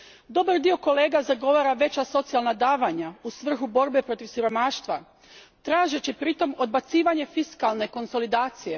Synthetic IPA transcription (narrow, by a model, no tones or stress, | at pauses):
d̪o̞baɾd̪io̞ko̞le̞ːɡazaɡo̞ʋaːɾaʋe̞t͡ɕaso̞t̪sialˠnad̪aːʋaɲausʋr̩xubo̞ɾbe̞pɾo̞t̪iʋsiɾo̞maːʃt̪ʋa | t̪ɾaːʒet͡ɕipɾit̪o̞mo̞d̪̚bat̪siːʋaɲe̞fiskalˠne̞ko̞nso̞lid̪aːt̪sije̞